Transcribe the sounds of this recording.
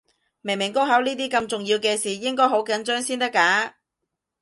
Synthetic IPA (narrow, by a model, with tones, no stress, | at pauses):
me˨˩mɪ˨˩ŋko˥wɦɐ˨˥wniː˥t̪iː˥kɐ˧mt͡sʊ˨ŋjiː˧wkɛː˧siː˨˩jɪ˥ŋkɔː˥jho˨˥wkɐ˨˥nt͡ʃœː˥ŋsiː˥nt̪ɐ˥kːaː˨˥